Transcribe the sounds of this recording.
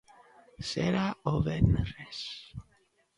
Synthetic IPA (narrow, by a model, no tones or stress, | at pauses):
sḛɾaoβenres